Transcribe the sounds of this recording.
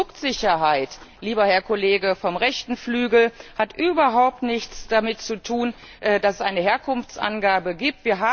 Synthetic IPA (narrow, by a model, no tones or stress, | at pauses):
ʊktz̥ɪçɐɦaɪtliːbɐhɛɐkʰɔleːɡəfɔmʁɛçtn̩flyːɡl̩hatʔyːbɐɦaʊp̚tnɪçt͡sd̥amɪtt͡sutʰuːn | ʔɛːdasɛsʔaɪnəheːɐkʰʊnft͡sʔa̰nɡaːbəɡiːp̚tv̥iːɐɦaː